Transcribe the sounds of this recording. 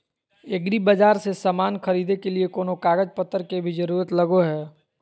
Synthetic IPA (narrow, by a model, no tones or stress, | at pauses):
eɡɽibɐd͡ʒaːɾsesɐmaːnxɐɾiːd̪ekeliekoːnokaːɡəd͡ʒpət̪ːəɾkebʱid͡ʒɐɾuːɾət̪lɐɡoɦɛː